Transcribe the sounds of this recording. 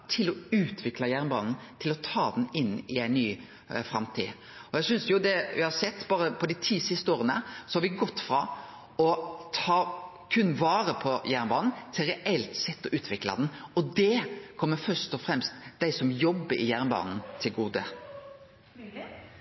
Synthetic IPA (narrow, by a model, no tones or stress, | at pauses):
t̪ʰɪlɔʉːt̪ʰʋɪklɑjæɾnbɑːnn̩t̪ʰɪlɔt̪ʰɑːd̪n̩ɪnːɪæɪnnyː | fɾɑ̰mt̪ʰḭː | ɔjæsʏnsjʊd̪ɛʋɪhɑɾsɛt̪ːbɑːɾəpʰɔd̪ɪt̪ʰiːsɪst̪əoːɾənə̰sɔhɑɾʋɪɡɔt̪ːfɾɑ̰ | ɔt̪ʰɑː | kʰʉnːʋɑːɾəpʰɔjæɾnbɑːnn̩t̪ʰɪlɾɛʔɛlt̪sɛt̪ːɔʔʉːt̪ʰʋɪklɑ̰d̪ɛnɔd̪ɛkʰɔmːəfœʂt̪ɔfɾɛmst̪d̪æɪsɔmjɔbːəɾɪ̰jæɾnbɑ̰ːnn̩t̪ʰɪlɡuːd̪ə